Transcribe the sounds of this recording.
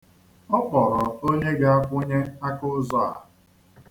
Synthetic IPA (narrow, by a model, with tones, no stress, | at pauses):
ɔ˦pɔ˨ɾɔ˨o˦ɲe˦ɡa˦a˦kʷʊ˦ɲe˦a˦kʊ˦zɔ˦a̰˨